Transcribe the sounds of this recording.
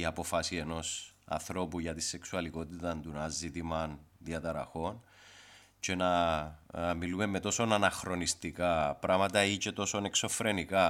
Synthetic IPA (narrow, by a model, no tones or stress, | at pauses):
iɐpo̞fɐsie̞no̞sɐ̰nθɾo̞puʝɐt̪ise̞ksuɐliko̞t̪it̪ɐnd̪unɐzit̪imɐnðiɐt̪ɐɾɐ̰xo̞n | ce̞nɐ | milume̞mːe̞t̪o̞so̞nɐnɐxɾo̞nist̪ikɐpɾɐmɐt̪ɐice̞t̪o̞so̞ne̞kso̞fɾe̞nikɐ